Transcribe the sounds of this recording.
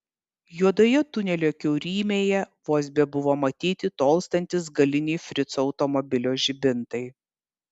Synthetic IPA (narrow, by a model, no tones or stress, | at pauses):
juɔd̪oːjɛt̪ʊnʲɛlʲoːkʲɛʊɾʲiːmʲeːjɛʋoːsʲbʲɛbʊʋoːmɐt̪ʲiːt̪ʲɪt̪oːlˠst̪ɐnʲt̪ʲɪs̬ɡɐlʲɪnʲɛɪfʲɾʲɪt̪sɐʊt̪ɔmɔbʲɪlʲoːʒʲɪbʲɪnt̪ɐɪ